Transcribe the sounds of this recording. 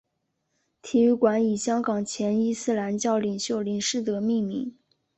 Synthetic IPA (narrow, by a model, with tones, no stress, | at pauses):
t̪ʰi˧˥y˥˩kwa˧˥ni˨˩ɕjɑ˥ŋkɑ˨˩ŋt͡ɕʰjɛ˧˥ni˥sɹ̩˥˩la˧˥nt͡ɕjɑ˥˩ʊli˨˩ŋɕjo˥˩ʊli˨˩ŋʂɻ̩˥˩t̪ɤ˧˥mi˥˩˧mḭ˧˥ŋ